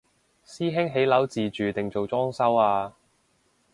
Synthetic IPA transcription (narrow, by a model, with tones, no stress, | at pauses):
siː˥ɦɪ˥ŋɦe˨˥jlɐ˨˥wt͡siː˨t͡ʃyː˨t̪ɪ˨ŋt͡so˨wt͡sɔː˥ŋsɐ˥waː˧